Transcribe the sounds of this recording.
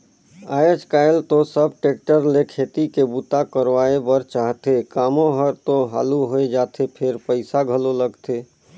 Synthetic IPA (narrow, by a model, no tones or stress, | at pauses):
ajəd͡ʒkajlt̪osəb̚ʈek̚ʈəɾlekʰet̪ikebut̪akəɾʋaebəɾt͡ʃaɦt̪ekamoɦəɾt̪oɦa̰ːluɦoed͡ʒat̪ʰepʰeɾpəɪsaɡʱəloləɡt̪e